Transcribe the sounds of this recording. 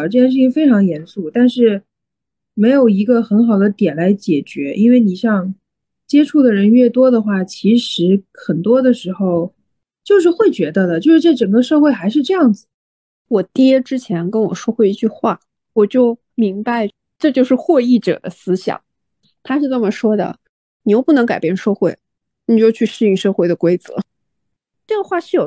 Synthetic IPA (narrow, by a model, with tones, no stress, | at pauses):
ʈ͡ʂɤ˥˩t͡ɕjɛ˥˧nʂɻ̩˥˩t͡ɕʰi˥˩ŋfe˥ɪʈ͡ʂʰɑ˧˥ŋjɛ˧˥nsu˥˩t̪a˥˧nʂɻ̩˥˩ | me˧˥ɪjo˨˩ʊi˧˥ɡə˧xə˧˥nxɑ˨˩ʊd̪ə˦t̪jɛ˨˩nla˧˥ɪt͡ɕjɛ˨˩t͡ɕɥɛ˧˥ʔi˥nwe˥˩ɪni˨˩ɕjɑ˥˧ŋ | t͡ɕjɛ˥ʈ͡ʂʰu˥˩d̪ə˩ɻə˧˥nɥɛ˥˩t̪wɔ˥d̪ə˨xwa˥˩t͡ɕʰi˧˥ʂɻ̩˧˥xə˨˩nt̪wɔ˥d̪ə˨ʂɻ̩˧˥xo˥˧ʊ | t͡ɕjo˥˧ʊʂ̬ɻ̩˥˧xwe˥˩ɪt͡ɕɥɛ˧˥d̪ə˧d̪ə˩t͡ɕjo˥˧ʊʂɻ̩˥˧ʈ͡ʂɤ˥˩ʈ͡ʂə˨˩ŋɡə˦ʂɤ˥˧xwe˥˩ɪxa˧˥ɪʂ̬ɻ̩˥˧ʈ͡ʂɤ˥˧jɑ˥˩ŋd͡zɹ̩˩ | wɔ˨˩t̪jɛ˥ʈ͡ʂɻ̩˥t͡ɕʰjɛ˧˥nkə˥nwɔ̰˨˩ʂwɔ˥xwe˥˧ɪi˥˧t͡ɕy˥˧xwa̰˥˩ | wɔ˨˩t͡ɕjo˥˩ʊ | mi˧˥ŋba˧ɪ | ʈ͡ʂɤ˥˧t͡ɕjo˥˧ʊʂɻ̩˥˧xwɔ˥˧i˥˩ʈ͡ʂɤ̰˨˩d̪ə̰˦sɹ̩˥ɕjɑ̰˨˩˦ŋ | t̪ʰa˥ʂɻ̩˥˧t͡sə˥˩mə˩ʂwɔ˥d̪ə̰˨ | ni˨˩jo˥˧ʊpu˥˩nɤ˧˥ŋka˨˩ɪpjɛ˥˧nʂwɔ˥˧xwe˥˩ɪ | ni˨˩o˥jo˥˧t͡ɕʰy˥˧ʂɻ̩˥˧i˥ŋʂɤ˥˧xwe˥˩ɪd̪ə˩kwe˥ɪt͡sɤ̰˧˦ | ʈ͡ʂɤ˥˩ɡə˩xwa˥˧ʂɻ̩˥˩jo˨˩